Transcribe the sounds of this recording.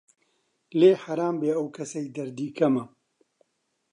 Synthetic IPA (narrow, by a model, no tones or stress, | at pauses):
leːħaɾaːmbeːɐwkʰɐsɐjd̪ɐɾd̪iːkʰɐmɐ